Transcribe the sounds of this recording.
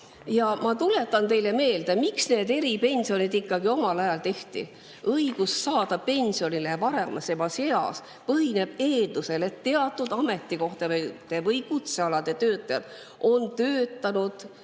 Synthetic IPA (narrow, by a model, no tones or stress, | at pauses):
jɑmɑt̪ule̞t̪ːˑɑnt̪e̞jleme̞ːld̪̥emiksne̞ːd̪e̞ɾipe̞nʲsio̞nid̪ikːɑɡio̞mɑlɑjɑlt̪e̞ht̪ḭ | ɤiɡ̥usːɑːd̪̥ɑpe̞nʲsio̞nilepɑɾemʔɑsemɑse̞ɑ̰s | pɤɦine̞b̥̚e̞ːnd̪̥use̞let̪ːe̞ɑt̪ːˑud̪ɑme̞t̪ːˑiko̞ht̪ɑt̪e̞vɤjkut̪se̞ɑlɑd̪̥e̞t̪øːt̪ˑːɑjɑd̪̥ | ʔo̞nt̪øːt̪ˑːɑnud̪̥